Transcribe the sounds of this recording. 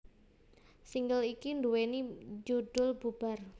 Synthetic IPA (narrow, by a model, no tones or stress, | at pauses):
siŋɡəlikinduwenid͡ʒuɖ̥ʊlb̥ub̥a̤r